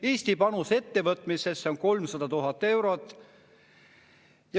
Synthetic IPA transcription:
iːst̪ipɑnuse̞t̪ːe̞vɤt̪ˑmise̞sːeoŋko̞lmsɑd̪ɑt̪uɦɑt̪ːˑe̞wɾo̞t̪ːˑ | jɑ

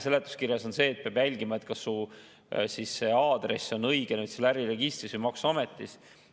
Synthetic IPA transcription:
selet̪ːˑu̥skirjɑso̞nse̞ːt̪̚peɑb̥jælʲɡ̥imɑet̪kɑsːu | sisːe̞ɑːd̪̥re̞so̞nɤjɡ̥enyt̪selæɾire̞ɡ̥ist̪risvuɨjmɑksuɑmet̪ˑːis

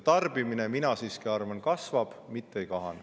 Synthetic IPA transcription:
t̪ɑrb̥imine̞minɑsiːskiɑrvɑnkɑsvɑb̥mit̪ːeejkɑɦɑ̰n

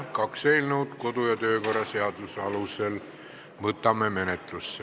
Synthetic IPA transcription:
kɑkseilnuwt̪ko̞d̪ujɑt̪øːko̞rˑɑseɑd̪̥usɑlusel | mɤt̪ːˑɑmːeme̞net̪ˑlusːe

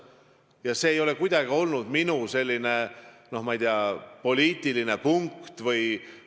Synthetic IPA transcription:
jɑse̞ːjo̞le̞kujd̪ɑɡ̥io̞lnud̪̥minuse̞lʲːine̞no̞hmɑijd̪iɑpo̞lʲiːt̪ːˑiline̞puŋkt̪vɯj

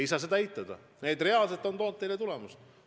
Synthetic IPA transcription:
jsɑːse̞d̪ɑæjt̪ːˑɑd̪̥ɑ̰ | ne̞d̪re̞ɑlse̞t̪ːˑo̞nt̪o̞ːnt̪ːe̞jlet̪ulɛmus

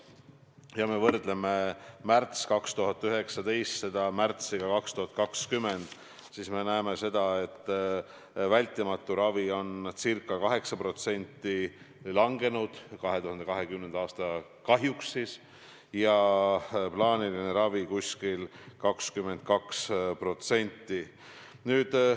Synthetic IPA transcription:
jɑme̞vɤrd̪̥le̞me̞mært̪skɑkst̪uɦɑt̪ːˑyɦe̞ksɑt̪e̞jst̪se̞d̪̥ɑmært̪siɡ̥ɑkɑkst̪uhɑt̪̚kɑkskymːe̞nd̪̥ | sisme̞næeme̞se̞d̪̥ɑe̞t̪ː | vælʲt̪ːˑimɑt̪ːˑuɾɑvio̞nsirkːˑɑkɑɦe̞ksɑpro̞t̪se̞nʲt̪ːˑi | lɑŋɡe̞nud̪̥kɑɦe̞t̪uhɑnd̪ekɑɦe̞kymnend̪̥ɑːst̪ɑ | kɑɦjuksːis | jɑ | plɑːniline̞ɾɑvikusʲkilkɑkskymːe̞nt̪̚kɑkspro̞t̪se̞nʲt̪ˑːi | nyːd̪̥

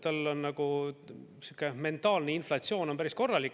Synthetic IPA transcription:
t̪ɑlːo̞nːɑɡ̥u | sukːˑeme̞nt̪ːˑɑːlneinflɑtsio̞ːno̞npæɾisko̞rːɑlikːˑ

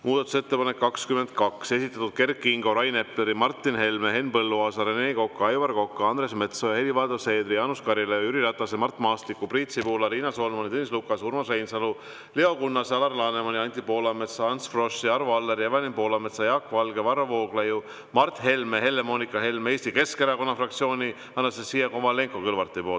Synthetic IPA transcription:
muːd̪̥ɑt̪uset̪ːe̞pɑnekːɑkskymend̪̚kɑkse̞sit̪ːˑɑt̪ud̪̥̚ke̞rkːˑiŋɡo̞ɾɑjne̞pleɾimɑrt̪ˑːinhe̞lmeɦe̞nːpɤlːuɑːsɑɾene̞ːko̞kːɑɑjvɑrko̞kːɑɑnd̪ɾe̞sme̞t̪so̞jɑe̞livɑːd̪ose̞ːd̪rijɑːnuskɑɾilejoyɾiɾɑt̪ˑːɑsemɑrt̪ːˑmɑːst̪likːˑupriːt̪sipuːlɑɾiːnɑso̞lmɑnʲit̪enʲislukːˑɑsurmɑsrejnsɑlu | leo̞kunːɑsɑlɑrlɑːne̞mɑnʲiɑnʲt̪ipo̞ːlɑme̞t̪sɑɑnsfro̞siɑɾuɑlːeɾjɑvɑnʲimpo̞ːlɑme̞t̪sɑjɑkːvɑlɡ̥e̞vɑrːɑvo̞ːɡleju | mɑrt̪he̞lmehe̞lːe̞mo̞nikːˑɑɦe̞lmeeːst̪ike̞skeɾɑko̞nːɑfrɑkt̪sio̞ːnʲi | ɑnːɑsesijeko̞mɑle̞ŋkokɯlvɑrt̪ːˑipo̞ː

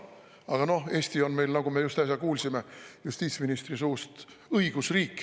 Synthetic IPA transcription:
ɑɡ̥ɑno̞he̞ːsʲt̪io̞nme̞jlnɑɡ̥umejust̪ɑs̬ʲjɑkuːlsime̞just̪iːt̪sminist̪risuːst̪ | ɤiɡ̥usriːkːˑ

